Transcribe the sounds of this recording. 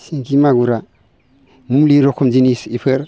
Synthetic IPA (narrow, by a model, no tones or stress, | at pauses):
siŋkimaɡuɾa | mumliɾokʰumd͡ʒinisipʰəɾ